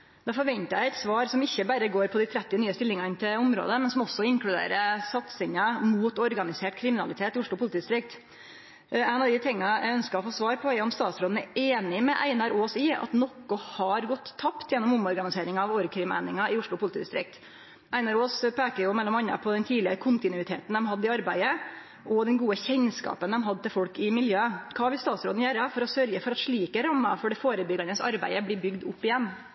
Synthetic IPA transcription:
d̪̥ɑfɔɾʋɛnt̪əæɛɪt̪sʋɑːɾsɔmɪçːəbæɾəɡoːɾpʰɔd̪æɪt̪ʰɾɛt̪ːɪnyːəst̪ɪlːɪŋɑɪnt̪ʰɪlʊmɾo̰ːd̪əmɛnsɔmɔsɔɪŋklʉd̪ḛːɾəsɑt̪sɪŋəmuːt̪ɔɾɡɑnɪseːʈkʰɾɪmɪnɑ̰lɪt̪ʰeːt̪ɪʊʂɭʊpʰʊlt̪iːd̪ɪst̪ɾɪk̚t̪ | æɪnɑʋd̪ɪt̪ʰɪŋːɑʔæ̰œnskɑɔfoːsʋɑːɾpʰɔɛɔmst̪ɑːt̪sɾoːd̪n̩æɾʔeːnɪmɛʔæ̰ɪnɑɾoːsɪɑ̰t̪nɔkːɔhɑɾɡɔt̪ʰːɑpt̪jɛnːɔmʊmɔɾɡɑnɪseːɾɪŋɑɑʋoːɾkʰɾɪmæ̰ɪnɪŋɑɪʊʂɭʊpʊlt̪ʰiːd̪ɪst̪ɾɪ̰k̚t̪ | æɪnɑɾoːspʰeːkəɾjʊmɛlːɔmɑnːə̰pʰɔd̪ɛnt̪ʰiːlɪəkʰʊnt̪ɪnʉɪt̪ʰḛːt̪nd̪ɛmhɑd̪ːəɪɑɾbæɪə | ʔɔd̪ɛnɡuːəçɛɲskɑ̰ːpənd̪ɛmɦɑd̪ːət̪ɪlfɔɽkɪmɪljøːəkʰɑːʋɪlst̪ɑːt̪sɾo̰ːd̪n̩jøːɾəfɔɾɔsœɾɡəfɔɾɑt̪ʂɭiːkəɾɑmːɑ̰fɔɖɛfoːɾəbʏɡɑnəsɑ̰ɾbæ̰ɪəbliːbʏɡd̪ʊpːɪjɛnː

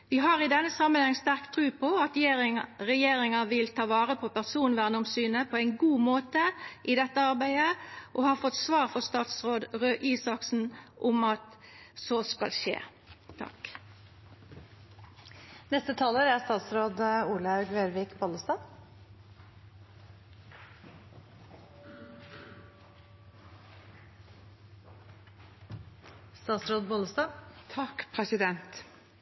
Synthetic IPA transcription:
ʋɪɦɑːʁɪd̪ɛnːəsɑmːənhɑŋːst̪æʁkt̪ʰʁʉːpʰɔɑt̪eʁɛjeːɾɪŋɑʋɪlt̪ʰɑːʋɑːʁəpʰɔpʰæʁsuːnʋæʁnʊmsyːnəpʰɔæɪnɡuːmoːt̪əʔɪd̪ɛt̪ːəɑʁbæɪd̪əʔɔhɑːfɔt̪sʋɑːʁfɔʁst̪ɑːt̪sʁoːd̪ʁøːʔiːsɑksn̩ʔʊmɑt̪ | soskɑ̰lʃḛː | t̪ʰɑ̰k | nɛst̪ət̪ʰɑːləɾæɾst̪ɑːt̪sɾoːd̪uːləɑʉɡʋeːɾʋɪkboːləst̪ɑː | st̪ɑːt̪sɾoːd̪̚boːləst̪ɑːt̪ʰɑkpʰʁɛsɪd̪ɛnt̪

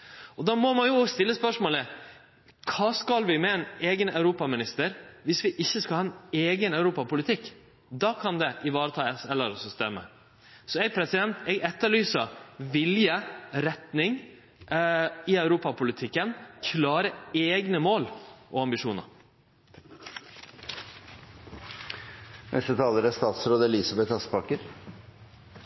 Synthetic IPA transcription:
ɔd̪ɑːmɔmɑnjʊst̪ɪlːəspœʂmoːlə | kʰɑːskɑlʋɪmɛɛneːɡənɑʉɾuːpɑmɪnɪst̪əɾʋɪsʋɪʔɪçːəskɑlhɑːɛneːɡənœʉɾuːpɑpʊlɪt̪ʰɪkː | d̪ɑːkʰɑnd̪ɛʔɪʋɑːɾət̪ʰɑːsɛlːəɾɔsɔst̪ɛmːə̰ | sɔɛpʰɾɛsɪd̪ɛnt̪ɛːɡɛt̪ːəɭyːsəʋɪljəɾɛt̪nɪŋ | ɪœʉɾuːpɑpʰʊlɪt̪ʰɪkːənkʰlɑːɾəeːɡnəmoːlʔɔɑmbɪʂuːnɑ̰ɾ | nɛ̰st̪ət̪ʰɑːləɾəst̪ɑːt̪sɾoːd̪əɛlɪsɑbɛt̪ɑspʰɑkːəɾ

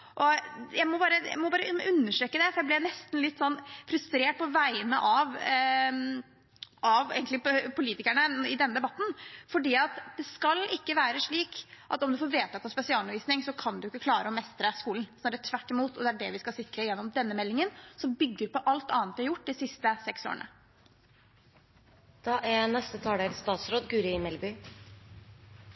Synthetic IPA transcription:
ʔɔjæɪmɔbɑːɾəjæ̰ɪmɔbɑːɾəʉnːəʂʈøːkəd̪ɛfɔɾjæɪblɪnɛst̪n̩lɪt̪ːsɔnːfɾʉst̪ɾeːʈ̚pʰɔʋæɪənə̰ʔɑʋ | ʔɑʋḛːɡəlɪpʰʊliːt̪ɪkæɳəɪd̪ɛnːəd̪ɛbɑt̪ːn̩fɔɖiːɑt̪d̪ɛskɑlɪkːəʋæːɾəʂɭiːkʔɑ̰t̪ɔmd̪ʉfoːɾʋeːt̪ʰɑt̪ːɑspɛsɪɑːlnʋiːsnɪŋsɔkʰɑnd̪ʉɪkːəkʰlɑːɾəɔmɛst̪ɾəskuːln̩sɔnæɖɛt̪ʰʋæʈːɪmuːt̪ɔd̪ɛæɖɛʋɪskɑsɪkɾəjɛnːɔmd̪ɛnːəmɛlːɪŋənsɔmbʏɡːəɾpɔʔɑlt̪ɑ̰ːnt̪d̪ɪhɾjʊʈːd̪ɪsɪst̪əsɛkso̰ːəɳə̰ | d̪̥ɑːʔænɛst̪ət̪ʰɑːɖeːlst̪ɑːt̪sɾoːd̪ɡʉːɾəɪmɛlbʏ

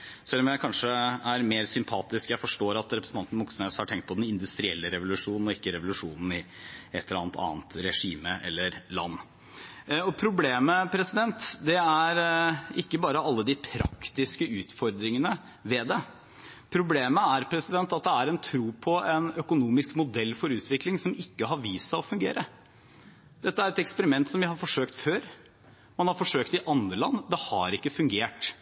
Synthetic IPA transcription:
sɛlːɔmjæɪkʰɑnʂəæɾmeːɾsʏmpʰɑːt̪ɪskjæɪfɔʂʈoːɾɑt̪ɾɛpɾsn̩t̪ɑnt̪ən̩mʊksnɛshɑʈʰɛŋkt̪̚pʰɔd̪ɛnɪnd̪ʉst̪ɾɪɛ̰lːəɾɛʋʊlʉʂuːnn̩ɔɪkːəɾɛʋʊlʉʂuːnn̩ɪ | ɛt̪ʰːəɾɑːnt̪ʰɑ̰ːnt̪ɾɛʂiːməʔɛ̰lːəɾlɑ̰nː | ɔpʰɾʊbleːməpʰɾɛsɪd̪ɛnt̪d̪ɛæɾɪkːəbɑːɾəʔɑlːəd̪ɪpʰɾɑ̰kt̪ɪskəʉːt̪fɔɾd̪ɾɪŋənə | ʋɛːd̪ɛ | pʰɾʊbleːməæɾpʰɾɛsɪd̪ɛnt̪ɑt̪̚d̪ɛæɾɛnt̪ʰɾuːpʰɔɛnœkʊnuːmɪskmʊd̪ɛlːfɔɾʉːt̪ʰʋɪklɪŋsɔmɪkːəɦɑɾʋiːsɑɔfʉŋɡḛːɾʔə | d̪ɛt̪ːəæɾɛt̪ɛkspəɾɪmɛnt̪sɔmʋɪhɑɾfɔʂøːkt̪føːɾ | mɑnhɑɾfɔʂøːkt̪ɪʔɑnd̪ɾəlɑ̰nːd̪ɛhɑ̰ɾɪkːəfʉŋɡeːʈ

